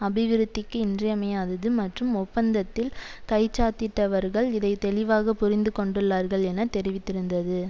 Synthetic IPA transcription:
ɐbɪʋɪɾɯt̪ːɪkːɯɪndrɐjɐmɐjaːðɐðɯmɐʈrɯmɔpːɐnd̪ɐt̪ːɪlkɐɪt͡ʃːaːt̪ɪʈːɐʋɐɾɣɐɭɪðɐɪt̪ɛlɪʋaːɣɐpʊrɪnd̪ɯkɔɳɖɯɭːaːɾɣɐɭɛnɐt̪ɛɾɪʋɪt̪ːɪɾɯnd̪ɐðɯ

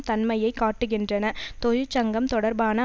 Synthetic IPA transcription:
t̪ɐnmɐjɐɪkːaːʈːɯɣɪndrɐnɐt̪ɔɻɯt͡ʃːɐŋɡɐmt̪ɔɽɐɾbaːnɐ

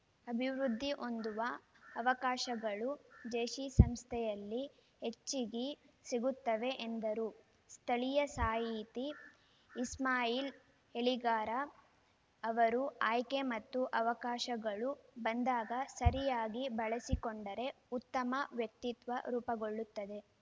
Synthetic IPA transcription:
ɐbʱiʋɾud̪ʱːiʔo̞nd̪uʋɐːʋɐkaːʃɐɡɐɭud͡ʒeːʃisɐmst̪ʰɛjɐlːi | he̞t͡ʃːiɡi | siɡut̪ːɐʋe̞ʔend̪ɐɾu | st̪ʰɐɭijɐsaːjiːt̪iː | smaːjiːl | heɭiɡaːɾɐː | ʋɐɾuaːjke̞mɐt̪ːuʔɐʋɐkaːʃɐɡɐɭubɐnd̪aːɡɐsɐɾijaːɡibɐɭɐsikoɳɖɐɾe̞ | ut̪ːɐmɐʋjɐk̚t̪it̪ʋɐɾuːpɐɡo̞ɭːut̪ːɐd̪e̞

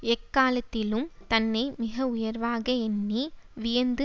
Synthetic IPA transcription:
ɛkːaːlɐt̪ːɪlɯmt̪ɐnːɐɪmɪɣɐʊjɐɾʋaːɣɐɛnːiʋɪjɐnd̪ɯ

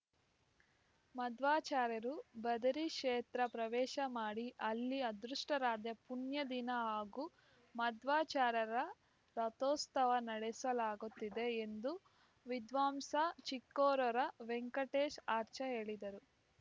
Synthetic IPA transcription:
mɐd̪ʋaːt͡ʃaːɾɐɾubɐd̪ɐɾiʂeːt̪ɾɐpɾɐʋɛːʃɐmaːɽiʔɐlːiɐd̪ɾuʂʈɐɾaːd̪jɐpunjɐd̪inɐaːɡu | mɐd̪ʋaːt͡ʃaːɾɐɾɐ | ɾɐt̪oːst̪ʰɐʋɐnɐɽesɐlaːɡut̪ːid̪e̞ːnd̪u | ʋid̪ʋaːmsɐt͡ʃikːɔːɾɔɾɐʋeŋkɐʈeːʃaːɾt͡ʃɐɦe̞ːɭid̪ɐɾu

